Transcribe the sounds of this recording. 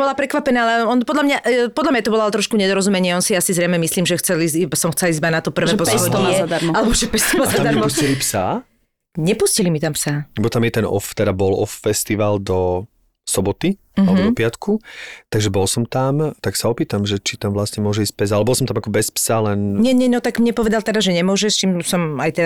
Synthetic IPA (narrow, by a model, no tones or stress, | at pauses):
bɔlapɾɛkʋapɛnaːalɛɔnpɔd̪lamɲaʔpɔd̪lamɲat̪ɔbɔlɔalt̪ɾɔʃkuɲɛd̪ɔɾɔzumɛɲɪɛɔnsiasizɾɛjmɛmisliːmʒɛxt͡sɛlizisɔmxt͡sɛlizbanat̪ɔpr̩ʋɛpɔsɔiɛad̪amɔalɛbɔʒɛpɛst̪ɔazaad̪aɾmɔuscilipsa | ɲɛpuscilimit̪ampsaːbɔt̪amjɛt̪ɛnɔ̰ft̪ɛd̪abɔlɔfːɛst̪iʋald̪ɔ | sɔbɔt̪i | alɛbɔd̪ɔɔpɪat̪kʰut̪aɡʒɛbɔlsɔmt̪amt̪aksaɔpiːt̪amʒɛt͡ʃit̪amʋlast̪ɲɛmʊɔʒɛiːsc̚pɛzalɛbɔlˠsɔmt̪amakɔbɛspsalɛnɲɛɲɛnɔt̪aɡmɲɛpɔʋɛd̪alt̪ɛd̪aʒɛɲɛmʊɔʒɛst͡ʃimsɔmajt̪ɛ